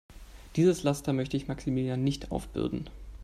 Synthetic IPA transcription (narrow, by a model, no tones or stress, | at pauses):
d̥iːzəslastɐmœçtəɪçmaksimiːljaːnːɪçtʰʔa̰ʊfb̥ɪ̰ldn̩